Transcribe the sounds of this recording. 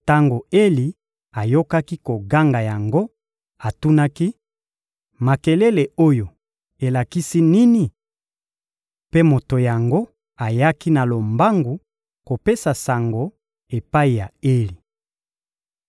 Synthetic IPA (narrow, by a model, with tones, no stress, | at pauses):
ta˦ŋɡo˨e˦li˨ | a˨jo˦ka˦ki˦ko˨ɡa˦ŋɡa˨ja˨ŋɡo˦ | a˨tu˦na˦ki˦ | ma˨ke˨le˦le˨o˦jo˨ | e˨la˨ki˦si˦ni˦ni˨ | pe˦mo˨to˨ja˨ŋɡo˦ | a˨ja˦ki˦na˨lo˨mba˦ŋɡu˨ | ko˨pe˦sa˨sa˨ŋɡo˨ | e˨pa˦i˨ja˨e˦li˨